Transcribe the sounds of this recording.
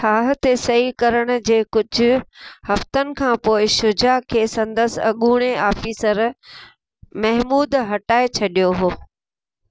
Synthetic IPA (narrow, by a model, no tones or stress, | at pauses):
aːɦt̪esɐɦikɐɾəɽ̃ʊ̆d͡ʑeːkʊd͡ʑʱʊ̆hɐft̪ənɪ̆kʰãːpoːɪʃʊd͡ʑakʰeːsɐ̃nd̪əsɐɠuːɽ̃eaːfiːsəɾ | mɐɦmuːd̪ɦɐʈaːet͡ɕʰɐɗijoɦoː